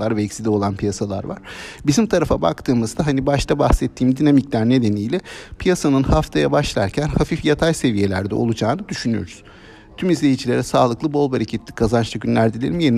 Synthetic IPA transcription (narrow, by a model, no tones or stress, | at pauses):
aɾvɛɛcsid̪io̞lˠanpʰijasalˠa̰ɾva̰ɾ̥bizimt̪ʰaɾafaba̰kt̪ʰɯːmɯzd̪aɦanibaʃt̪ʰabahsɛt̪ʰːiːmd̪inamiclʲæɾne̞d̪e̞nijlʲɛpʰijasanɯnhaft̪ʰajabaʃlˠaɾcʰænhafifjat̪ʰajse̞vije̞lʲæ̰ɾd̪ɛ̰o̞lˠud͡ʒaːnɯd̪yʃynyjo̞̰ɾuz̥ | t̪ʰymizlʲejid͡ʒʰilʲe̞ɾɛsaːlˠɯklˠɯbo̞lˠbaɾicʰet̪ʰːi̥kʰazanʃt̪ʰaɟʲynlʲæɾd̪ilʲeɾimjeni